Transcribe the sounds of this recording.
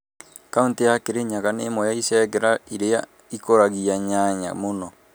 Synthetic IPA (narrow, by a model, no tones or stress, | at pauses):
kauntijakeɾeɲaɣanemɔjaisɛɣɛɾaiɾeja | ikoɾaɣiaɲaɲa̰monɔ